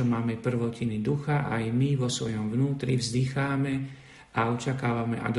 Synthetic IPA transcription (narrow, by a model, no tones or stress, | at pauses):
ɔmaːmɛpr̩ʋɔcinid̪uxaʔajmiʋɔsʋɔjɔmʋnuːt̪ɾivzd̪ixaːmɛ | aɔt͡ʃakaːʋamɛʔa̰d̪